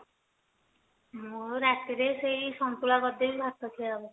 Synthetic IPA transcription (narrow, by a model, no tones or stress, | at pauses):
mmuɾat̪iɾesejisɔnt̪ulaɡɔd̪ebibʱaɾt̪ɔt̪ʰiabu